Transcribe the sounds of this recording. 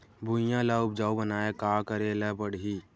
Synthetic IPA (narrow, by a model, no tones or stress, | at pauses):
bʱujãlaʊp̚d͡ʒaːubənaːekaːkəɾeləbəɽi